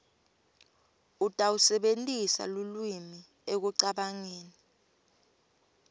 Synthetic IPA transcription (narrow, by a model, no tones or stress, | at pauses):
utʼawusɛɓentʼisa̰lulwimi | ek̬uǀaɓaŋeːni